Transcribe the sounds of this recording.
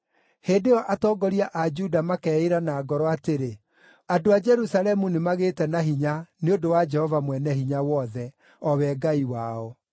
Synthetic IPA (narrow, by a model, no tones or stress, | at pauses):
heːdejɔʔatɔːɡɔɾiaʔad͡ʒudamakɛːeɾanaːɡɔɾɔateɾe | adoad͡ʒɛɾusalɛmunemaɣeːtɛnaɦiɲaneodowad͡ʒɛhɔvamwɛnɛhiɲawɔðɛ | ɔwɛɡaiwaɔ